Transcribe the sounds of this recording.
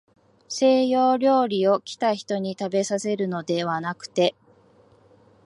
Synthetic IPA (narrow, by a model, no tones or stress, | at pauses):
se̞ːjo̞ːɾʲo̞ːɾʲio̞kʲi̥t̪açi̥t̪o̞ɲ̟it̪abe̞sase̞ɾɯ̟no̞d̪e̞βanakɯ̟̥t̪e̞